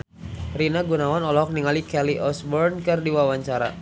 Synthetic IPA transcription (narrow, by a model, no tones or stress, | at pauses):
rinaɡunawanɔlɔɦɔk̚niŋalikɛliʔɔsbɔrnkɨrdiwawaɲt͡ʃaɾa̰